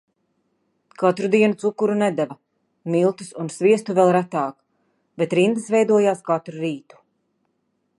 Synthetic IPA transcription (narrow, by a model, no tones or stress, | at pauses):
kat̪ɾud̪iɛnut̪sukːuɾunɛd̪ɛvɐ | milˠt̪usunsviɛst̪uvɛlˠɾat̪aːk | bet̪ɾind̪ɨsvɛjd̪uɔjaːskat̪ɾuɾiːt̪u̥